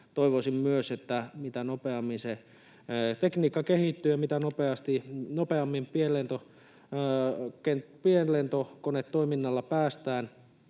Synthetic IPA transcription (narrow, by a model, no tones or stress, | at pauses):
t̪oiʋosimmyøset̪ːæmit̪ænopeɑmːinse | t̪ekniːkːɑkehit̪ːyjɑmit̪ænopeɑst̪inopeɑmːimpielent̪o | kentpienlent̪okonet̪toiminːɑlːɑpæːst̪æːn